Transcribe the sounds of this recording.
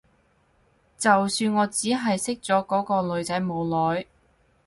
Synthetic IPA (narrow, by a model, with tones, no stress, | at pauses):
t͡sɐ˨wsyː˧nŋɔː˨˧t͡siː˨˥ɦɐ˨jsɪ˥k̚t͡sɔː˨˥kɔː˨˥kɔː˧lɵ˨˧ɥt͡sɐ˨˥jmo˨˧wlɔː˨˥j